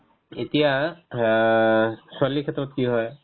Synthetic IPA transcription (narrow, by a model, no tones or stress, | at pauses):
et̪ija | sɔlikʰet̪ɹɔt̪kiɦɔj